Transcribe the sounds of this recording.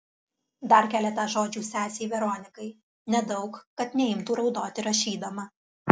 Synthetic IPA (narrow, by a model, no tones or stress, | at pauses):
d̪ɐɾkʲæːlʲɛt̪ɑʒoːd͡ʒʲuːsʲæːsʲeːjʋʲɛɾɔːnʲɪkɐɪ | nʲɛd̪ɒʊkkɐt̪nʲɛɪmt̪uːɾɒʊd̪oːt̪ʲɪɾɐʃʲiːd̪ɐmɐ